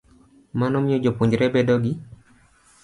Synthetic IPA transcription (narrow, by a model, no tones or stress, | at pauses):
manɔmjod͡ʒopoɲd͡ʒɾɛbɛdɔɡɪ